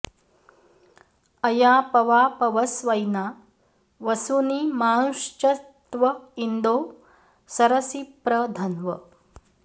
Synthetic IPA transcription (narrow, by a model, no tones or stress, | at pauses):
ɐjaːpɐʋaːpɐʋɐsʋɐjnaː | ʋɐsuniːmaːnuʂt͡ʃɐt̪ʋɐind̪oː | sɐɾɐsipɾɐd̪ʱɐnʋɐ̰